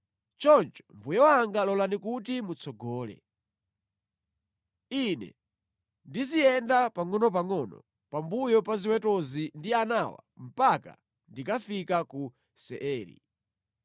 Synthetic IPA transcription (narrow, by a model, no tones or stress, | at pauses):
t͡ʃɔnt͡ʃɔ̥mbujɔwaŋɡalɔlanikut̬imut͡sʰɔɡɔːlɛ̰ | inɛ̰ | ndiziɛndapaŋɔnɔp̬aŋɔnɔ̰ | pambujɔpaziwɛtɔzindianawa̰m̩paka̰ | ndikafikaku | sɛ̰ʔɛːɾḭ